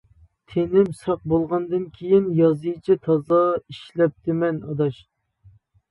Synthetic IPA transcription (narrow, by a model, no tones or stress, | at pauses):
t̪ʰenɪmsɑq̚bolˠʁɑnd̪ɨnkʲʰejinjɑzɨjt͡ʃʰit̪ʰɑzɑiʃlɛp̚t̪ʰɪmɛnɑ̰d̪ɑʃ